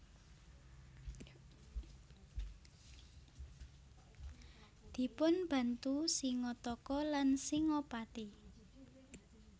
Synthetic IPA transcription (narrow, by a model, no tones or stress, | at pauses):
d̪̥i̤pʊnb̥ä̤nt̪usiŋɔt̪ɔkɔlansiŋɔpat̪i